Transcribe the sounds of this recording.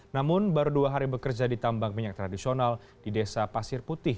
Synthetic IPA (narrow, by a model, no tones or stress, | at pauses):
namʊnbaɾuduaɦaɾibəkərd͡ʒadit̪ambaŋmiɲak̚t̪ɾadisional | didesapasɪrput̪ɪh